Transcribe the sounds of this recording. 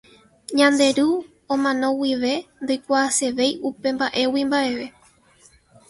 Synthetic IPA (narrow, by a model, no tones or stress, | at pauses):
ɲãnd̪e̞ɾu | õmãnõ̞wiʋe̞nd̪o̞jkʷaːse̞ʋe̞jupe̞mbaʔe̞wimbaʔe̞ʋe̞